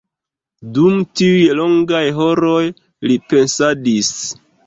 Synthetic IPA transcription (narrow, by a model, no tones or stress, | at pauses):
dumtiujlo̞ŋɡajɦo̞ɾo̞j | lipe̞nsadis